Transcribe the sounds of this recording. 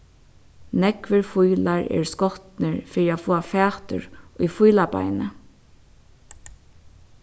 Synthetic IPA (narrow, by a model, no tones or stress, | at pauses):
nɛkʋɪɹfujlaɹɛ̰ːɹskɔht̪nɪɹfiːɾiafoːafæːt̪ʏ̰ɹʊjfujlapa̰jnə̰